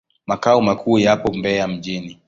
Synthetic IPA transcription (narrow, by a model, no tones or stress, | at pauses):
makaɔmakʰuːjapɔmbɛam̩ʄini